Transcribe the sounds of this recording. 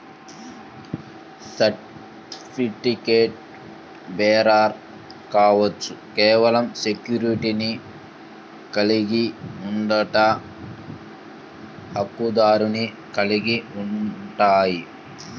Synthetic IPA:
sɐʈ | itikeːʈ̚ | bɛːɾaːɾ | kaːʋɐt͡ʃːukɛːʋɐlɐmsekjuɾiʈini | kɐliɡiuɳɖɐʈɐ | hɐkːud̪aːɾuni | kɐliɡiuɳʈaːji

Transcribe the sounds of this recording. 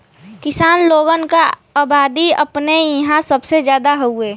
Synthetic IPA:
kɪsaːnloːɡənkaaːbaːd̪iɐ̰pnejɐɦãsəbsed͡ʒjaːd̪aɦoueː

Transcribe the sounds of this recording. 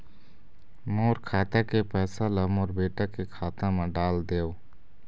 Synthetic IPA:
moːɾkʰaːt̪akepɛːsaləmɔːɾbeːʈakekʰaːt̪ãmẽɖaːld̪eːoː

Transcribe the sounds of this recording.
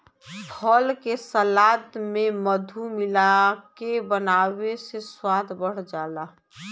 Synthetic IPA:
pʰɔlkesəlaːd̪mẽməd̪ʱumɪlakebənaːweseswaːd̪ʰbəɽ̤d͡ʒaːlaː

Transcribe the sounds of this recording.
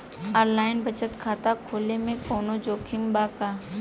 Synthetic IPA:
əɾlaːɪnbət͡ʃət̪kʰaːt̪akʰoːlemẽkɔːnod͡ʒoːkʰɪmbaːkaː

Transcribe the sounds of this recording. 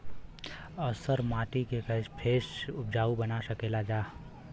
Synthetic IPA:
əsəɾmaːʈikekəspʰeːsʊp̚d͡ʒaːubənasəkeːlad͡ʒaː

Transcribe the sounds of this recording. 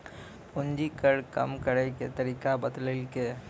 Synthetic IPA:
pʊɲd͡ʒikəɽkɐ̰mkəɽeket̪ɐɾikabɐd̪lɪlke

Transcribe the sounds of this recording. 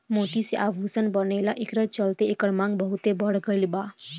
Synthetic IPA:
mot̪iseʔaʋʱusənbənelaʔekɾət͡ʃəlt̪eekəɽmãŋɡbəɦut̪ebəɽɡəlba

